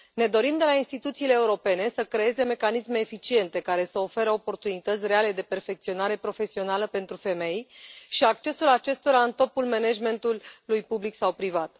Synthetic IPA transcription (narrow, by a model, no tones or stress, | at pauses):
ne̞d̪o̞ɾimd̪e̞lainst̪it̪ut̪siːle̞ːuɾo̞pe̞ne̞səkɾe̞e̞ze̞me̞kanisme̞ːfit͡ʃie̞nt̪e̞kaɾe̞səo̞fe̞ɾəopo̞rt̪unit̪ət̪sʲre̞ale̞d̪e̞pe̞rfe̞k̚t̪sio̞naɾe̞pɾo̞fe̞sio̞naləpe̞nt̪ɾufe̞me̞jʃiak̚t͡ʃe̞sulat͡ʃe̞st̪o̞ɾaɨnt̪o̞pulme̞neʒme̞nt̪ulːujpubliksawpɾivat̪